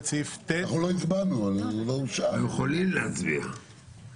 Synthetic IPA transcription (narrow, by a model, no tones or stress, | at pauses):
t͡sift̪eχuloizbanuanalouʃajeχolimleat͡sbḭχ